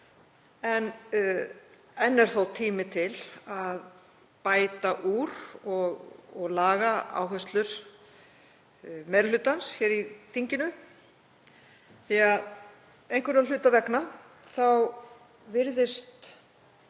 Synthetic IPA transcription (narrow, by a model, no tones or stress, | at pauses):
ɛn | ɛnːɛɾ̥θowt̪ʰiːmɪt̪ʰɪlað | paːjt̪aʔuɾɔɣɔɣlaːɣaa̰ːwɦœst̪lʏɾ̥ | mɛɾlʏːt̪ansçɛːɾiθiɲcɪnʏ | θiað | ejnkvɛɾalʏːt̪avɛkna | θaw | vɪɾðɪst̪